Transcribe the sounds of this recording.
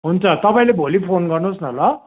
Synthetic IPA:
ɦunt͡sʰʌt̪ʌpaĩlebʱolipʰonɡʌrnosnʌlʌ

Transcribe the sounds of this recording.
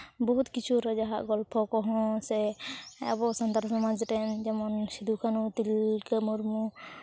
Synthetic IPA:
bɔɦut̪kit͡ʃʰuɾad͡ʒaɦaʔɡɔlpʰɔkɔɦɔ̃sɛa̰bɔsant̪aɾsɔmad͡ʒʈɛnd͡ʒɛmɔnsid̪ʱukʰanut̪ilkəmuɾmu

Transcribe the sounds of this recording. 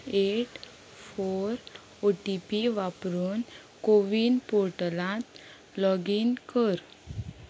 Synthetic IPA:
eʈ | foɾ | oʈipiʋapɾuːn | koʋiːnpoɾʈəlãt̪ | lɔɡinkəɾ

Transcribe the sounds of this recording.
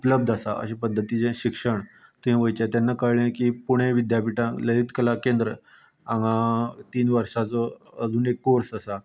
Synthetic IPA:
upləb̚d̪asaʔə̰ɕipəd̪ʱːət̪it͡sẽɕikʂəɳt̪uɦĩʋəjt͡ɕat̪janːakəɽlẽkipuɽ̃ẽʋid̪japiʈãləit̪kəlakẽnd̪ɾə | aŋɡãt̪iːnʋəɾʂat͡sɔ | əd͡zuːnekːoɾsasa

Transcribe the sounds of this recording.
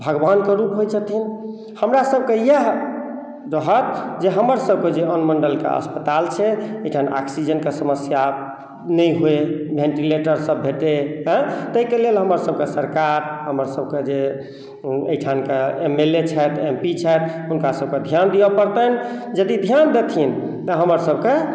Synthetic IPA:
bʱəɡbankəɾupɦojt͡ʃʰət̪ʰin | həmɾasəb̚kejəɦ | ɾəɦət̪̚d͡ʒeɦəməɾsəb̚ked͡ʒeənməɳɖəlkḛə̰spət̪alt͡ʃʰɛejʈʰana̰ksid͡ʒənkesəməsja | nəjɦoebʱẽɳʈileʈəɾsəbʱeʈeɦɛ̃t̪əikelelɦəməɾsəb̚kesəɾkaɾɦəməɾsəb̚ked͡ʒe | ḛjʈʰankeemelet͡ʃʰɛt̪ʰempit͡ʃʰɛɪt̪̚ʰɦunkasəb̚ked̪ʱjand̪ijəpəɾt̪ənd͡ʒəd̪id̪ʱjand̪et̪ʰin | t̪əɦəməɾsəb̚ke

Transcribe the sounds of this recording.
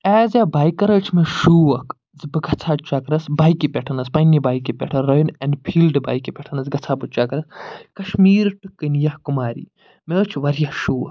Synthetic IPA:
ɛːzʲjabaːjkɐɾɐt͡ʃʰmeʃuːwɐk | zɨbɨɡɐt͡sʰat͡ʃakɾɐsbaːjkipʲeʈʰɐnɐspɐnibaːjkipʲḛʈʰɐɾojunɐnpʰiːlɖɨba̰ːjkipʲeʈʰɐnɐzɡɐt͡sʰaːbɨt͡ʃakɾɐskɐʃmiːɾʈɨkɨnjɐhkumaːɾḭː | meːt͡ʃʰʋɐɾjaʃuːɐk

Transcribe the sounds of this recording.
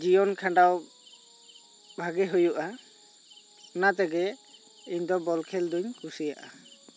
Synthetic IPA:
d͡ʒijɔnkʰaɳɖaw | bʱaɡɛɦujuʔa | nat̪ɛɡɛ | iɲd̪ɔbɔlkʰɛld̪uɲkʰusijaʔa

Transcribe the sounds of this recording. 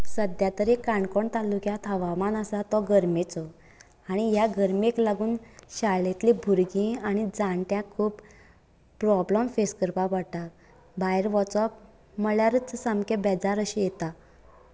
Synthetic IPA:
səd̪jat̪əɾekaɳkɔɳt̪alukjãt̪ʰəʋamanasat̪ɔɡəɾmet͡sɔ | aɽ̃iɦjaɡəɾmeklaɡuːnɕalet̪libʱuɾɡĩaɽ̃id͡zãɳʈjãkʰuːp | pɾɔbləmfeskəɾpapaɽʈa | bajɾʋɔt͡sɔp | məɭjaɾət͡ssamkebɛd͡zaɾəɕejet̪a

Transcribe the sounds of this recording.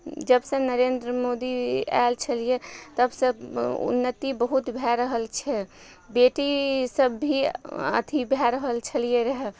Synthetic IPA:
d͡ʒəbsə̃nəɾend̪ɾəmod̪ia̰lt͡ʃʰəlijet̪əbsə̃ṵnːət̪ibəɦut̪bʱɛɾəɦəlt͡ʃʰɛ | beʈisəbːʱiə̰t̪ʰibʱɛɾəɦəlt͡ʃʰəlijeɾəɦɛ

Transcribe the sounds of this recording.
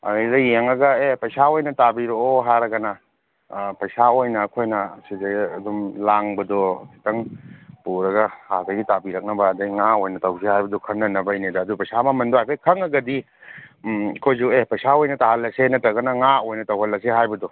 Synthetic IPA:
ɐdɐjeŋɐɡɐepɐjsaojnɐtabiɾooɦaɾɐɡɐnɐ | pɐjsaojnɐːkʰojnɐsizeɡɐdumlaŋbɐdɔtʰi̥tɐŋpuɾɐɡɐhazɐɡitabiɾɐk̚nɐbɐːdɐjŋaojnɐtɐwsehajbɐdɔkʰɐnːɐnɐbɐjnedaːdupɐjsamɐmɐndɔajpʰekʰɐŋɐɡɐdi | kʰojzuepɐjsaojnɐtaɦɐlːɐsenɐtɐɡɐnɐŋaojnɐtɐwɦɐlɐseɦajbɐdɔ

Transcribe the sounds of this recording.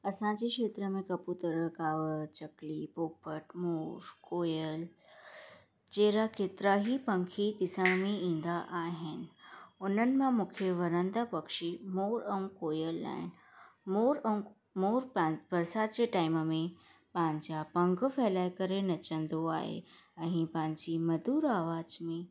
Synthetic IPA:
ɐsãd͡ʑekʃeːt̪ɾəmẽkɐput̪ɐɾəɦkaːʋət͡ɕɐklipoːpəʈmoːɾkoːjəl | d͡ʑeːɾakeːt̪ɪɾaɦipɐ̃ŋkʰid̪ɪsəmmẽĩːn̆d̪aʔaːɦɪnɪ̆ʊn̤ənɪ̆mãmũːkʰeʋɐɾə̃nd̪apɐkʃimoːɾə̃ũkoːjəla̰ːɦɪnɪ̆moːɾɐ̃ | moːɾpabɐɾsat͡ɕeʈaːɪmmẽ | pãːɪɲd͡ʑapɐ̃ŋɡfɛːlaːjkɐɾenɐt͡ɕə̃nd̪oa̰ːɦḛ | ɛ̃ɪ̃pãːɲd͡ʑimɐd̪uːɾaːʋaːd͡ʑmẽ

